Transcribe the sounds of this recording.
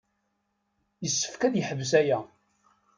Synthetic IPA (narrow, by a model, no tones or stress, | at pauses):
jəsːə̥fkæðjəħəvsæjæ